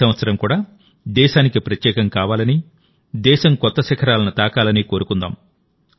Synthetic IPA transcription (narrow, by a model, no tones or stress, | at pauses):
ɐʋɐt̪sɐɾɐmkuːɽaː | d̪ɛːʃaːnikipɾɐt̪jɛːkɐmkaːʋaːlɐni | d̪ɛːʃɐmkɔt̪ːɐsɛkʰɐɾaːlɐnut̪aːkaːlɐniːko̞ːɾukund̪a̰ːm